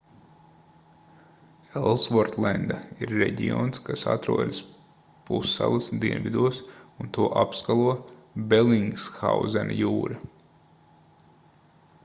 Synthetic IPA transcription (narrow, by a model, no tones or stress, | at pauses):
elˠsvɔɾt̪lɛnd̪aiɾːeɟʲioːnskasat̪ɾuɔd̪is | pusːa̰lˠasd̪iɛnvʲid̪uɔsunt̪uɔʔapskalˠuɔbeliŋɡsxawzɛna̰juːɾa